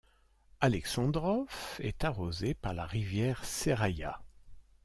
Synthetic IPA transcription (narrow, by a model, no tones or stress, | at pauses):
alɛksɑ̃d̪ʁɔfɛ̰t̪aʁozepaʁlaʁivjɛʁseʁaja̰